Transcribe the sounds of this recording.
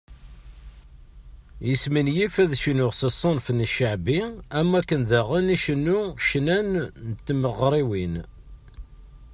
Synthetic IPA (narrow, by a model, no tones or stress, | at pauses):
jəsmənjifæðʃənʊʁsəsˤːɑnfənːəʃəʕbiæmːækːənðæʁəniʃənːuʃnænnət̪ːməʁɾˤiwin